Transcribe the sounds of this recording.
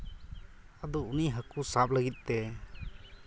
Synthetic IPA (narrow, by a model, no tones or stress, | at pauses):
ad̪ɔuniɦakusap̚ləɡit̪̚ˀt̪ɛ